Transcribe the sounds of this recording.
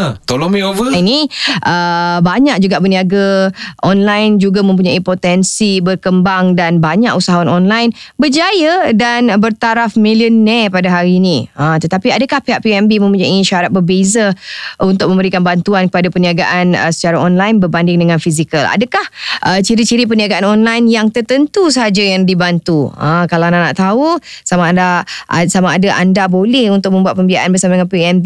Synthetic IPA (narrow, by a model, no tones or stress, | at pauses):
t̪olomĩovəiniʔəbaɲak̚d͡ʒuɡaʔbərniaɡaʔɔnlajnd͡ʒuɡamə̃mp̬uɲaipot̪ɛnsibərkəmbaŋdanbaɲaʔusaɦawanɔnlajnbərd͡ʒajadanbərt̪aɾafmiliənɛpadaɦaɾiːniət̪ət̪apiadakahpeɦaʔpiɛmbimə̃mpuɲaiʃaɾat̪̚bərbezaunt̪ʊk̚mə̃mbəɾikanbant̪uankəpadapəniaɡaʔanə̰sə̥t͡ʃaɾaʔɔnlajnbərbandɪŋdəŋãnfizikəla̰dəkahʔət͡ʃiɾit͡ʃiɾip̬əniaɡaʔanɔnlajnjaŋt̪ərt̪ənt̪us̬əɦad͡ʒajaŋdibant̪uə̰̃kalanana̰ʔt̪ausamandasamaːdaʔa̰ndabolɛhunt̪ʊk̚mə̃mbuat̪̚pəmbiaʔanbərsamadəŋanpiɛmbi